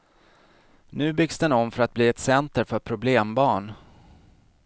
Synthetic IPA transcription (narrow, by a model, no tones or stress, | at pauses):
nʉ̟ːbʏɡsd̪ɛnɔmfœɾat̪̚bliːɛt̪sɛnt̪əɾfœɾpʰɾʊbleːmbɑːɳ